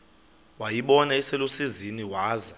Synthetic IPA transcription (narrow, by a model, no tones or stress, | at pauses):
wajiɓɔnaɛsɛlosiziniwaːza